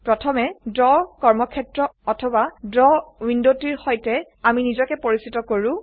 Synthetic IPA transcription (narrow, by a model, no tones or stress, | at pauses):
pɹɔtʰɔmɛdɹɔkɔɹmɔkʰɛtɹɔɔtʰɔbadɹɔwindotiɹhɔjtɛ | aminizɔkɛpoɹisitɔkoɹʊ̃